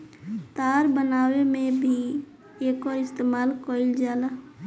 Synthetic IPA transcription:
t̪aːɾbənaːwemẽbʱi | eːkɔɾɪst̪eːmaːlkɔːɪld͡ʒaːlaː

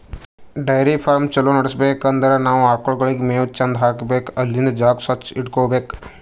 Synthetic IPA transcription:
ɖajɾipʰɐɾmt͡ʃɐlonɐɽəsbeːkɐnd̪əɾanaːʋaːkoɭɡɐɭikmẽːt͡ʃɐnd̪ʱɦaːkbekɐlːind̪d͡ʒaːksɐt͡ʃiʈkoːbeːk

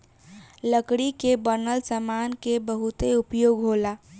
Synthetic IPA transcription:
ləkɽikebənəlsəmankebəɦut̪eupjoɡɦola

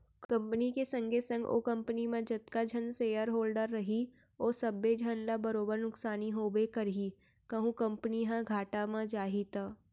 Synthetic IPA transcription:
kɐ̃mpənikesɐ̃ŋɡʱesɐ̃ŋɡo̰ːkɐ̃mpənimãd͡ʒɐt̪kad͡ʒʱənseːjəɾɦoːlɖəɾːɐɦi | oːsɐbːed͡ʒʱənlabɐɾoːbəɾnʊksaːniɦoːbekɐɾɦi | kɐɦũkɐ̃mpəniɦãɡʱaːʈamãd͡ʒaːɦit̪aː

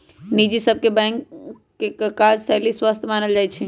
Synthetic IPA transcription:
nid͡ʒisəb̚ʱkebɛ̃ŋkː | ekkaːd͡ʒsɛɦliswast̪ʰmaːnəld͡ʒajt͡ʃʰɛ

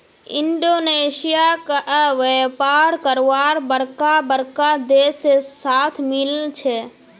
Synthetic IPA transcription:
ɪ̰ɳɖoneːsijakaʋepaːɽkəɾʋaːɾbəɾkabəɾkad̪esesaːt̪ʰmɪlt͡ʃʰe

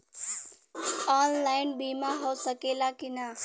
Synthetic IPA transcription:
ɔːnlaːɪnbiːmaɦoːsɐkelakɪna

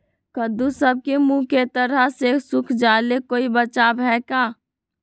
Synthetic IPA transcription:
kəd̪usəb̚kemũket̪əɾəɦsesukʰd͡ʒalekoːibət͡ʃabʱɦɛka

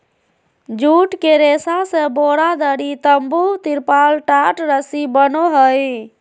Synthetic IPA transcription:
d͡ʒuʈkeɾesasẽboɽad̪əɽit̪əmbut̪iɾpalʈaʈɾəsibənoɦəj

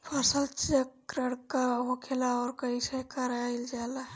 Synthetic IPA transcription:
pʰasəlt͡ʃiəkːɾəɽkəɦokʰelaɔɾkəisekəɾaild͡ʒala

